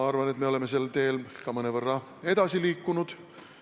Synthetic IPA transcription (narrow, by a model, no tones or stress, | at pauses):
ɑrvɑne̞t̪meo̞le̞me̞se̞lt̪e̞ːlkɑmɤnevɤrːɑ | e̞d̪̥ɑsiliːkːˑunud̪̥